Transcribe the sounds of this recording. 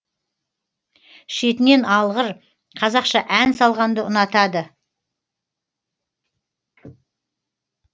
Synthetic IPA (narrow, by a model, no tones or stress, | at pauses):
ʃe̞t̪ɪne̞nɑlˠʁəɾ | qʰɑzɑqʃɑʔænsɑlˠʁɑnd̪əʊnɑt̪ɑd̪ə